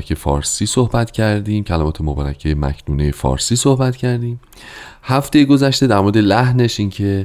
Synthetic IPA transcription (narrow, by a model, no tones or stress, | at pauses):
kʰefɒ̰ːɾsiːsohbæt̪ʰcʰæɾd̪iːmcʰælæmɒːt̪ʰe̞mobɒːɾæ̰cʰeemæ̰cʰnuːnejefɒ̰ːɾsiːsohbæt̪cʰæɾd̪iːm | hæft̪e̞jeɡo̞zæʃt̪e̞d̪æɾmoɾed̪e̞læhne̞ʃincʰe̞